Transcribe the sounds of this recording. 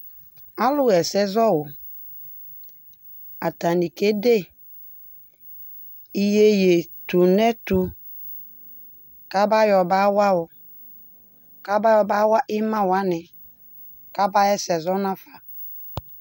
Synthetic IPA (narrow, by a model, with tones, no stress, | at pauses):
a˦lʊ˦ɛ˨sɛ˦zɔ˦wʊ˨ | a˨ta˨ni˨ke˦de˦˨ | i˨je˦je˨tu˨nɛ˦tu˦ | ka˦ba˦jɔ˨ba˦wa˦wʊ˨ | ka˦ba˦jɔ˨ba˦wa˦ʔɪ˦mã˦wa˦nɪ˨ | ka˦ba˦ɛ˦sɛ˨zɔ˦na˦fa˨